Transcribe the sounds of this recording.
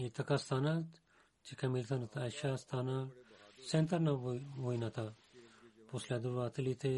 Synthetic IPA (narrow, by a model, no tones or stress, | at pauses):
it̪ɐkast̪ʰaːna | t͡ʃikʰɐmilt̪ʰɐnɐt̪ʰaɐʃast̪ʰaːnasẽnt̪ɐɾnaɦuinat̪ʰa | pusled̪uɾat̪ʰilit̪ʰe